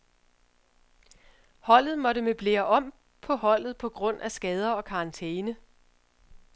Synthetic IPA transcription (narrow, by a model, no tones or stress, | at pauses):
hɒ̽l̰ð̩ˠmɒ̽ɾəmeb̥le̝ːɐʔɒ̽m̰ | pʰɒ̽hɒ̽l̰ð̞̩ˠpʰɒ̽ɡ̥ʁɔ̽n̰æsɡ̥ɛːð̞ˠɐɒ̽kʰɑ̈ɑnt͡sʰeːnə